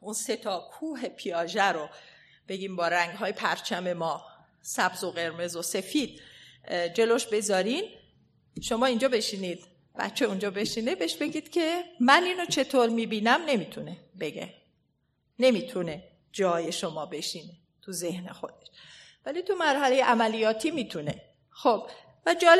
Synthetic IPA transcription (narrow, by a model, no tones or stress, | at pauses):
ʔunse̞t̪ʰɒːkʰuːɦe̞pʰiɒːʒæɾo | b̥e̞ɡiːmbɒːɾæŋɡɦɒːjepʰæɾt͡ʃʰæme̞mɒː | sæbzoɣe̞ɾme̞zose̞fiːd̪̥̚ | d͡ʒe̞loʃbe̞zɒːɾin | ʃo̞mɒːind͡ʒɒːbe̞ʃiːniːd̪̥̚ | b̥æ̰t̪t͡ʃʰːe̞und͡ʒɒːbe̞ʃiːnebeʃbe̞ɡʲiːd̪̥cʰe̞mæniːnot͡ʃʰe̞t̪ʰoːɾmiːbiːnæmne̞mit̪ʰunebe̞ɟḛ | ne̞miːt̪ʰune̞ | d͡ʒɒːje̞ʃomɒːbe̞ʃiːne | t̪ʰuze̞hne̞̰xo̞d̪e̞ʃ | vælit̪ʰumæɾhælejeʔæmælijɒːt̪ʰiːmiːt̪ʰune̞ | xob | væd͡ʒɒːl